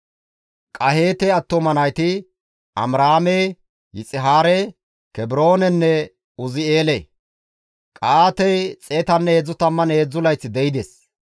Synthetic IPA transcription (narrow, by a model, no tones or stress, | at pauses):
kʼɐhe̞ːt̪ɛɐt̪ːomɐnɐjt̪ɪ | ʔɐ̰mɾaːme | jɪt͡sʼɪɦaːɾɛ | kɛbɪɾo̞ːnɛnːɛ | ʊzɪeːle | kʼaːt̪ɛjt͡sʼeːt̪ɐnːeːd͡zːʊt̪ɐmːɐneːd͡zːʊlɐjt͡sːɪd̪ɛjɪd̪es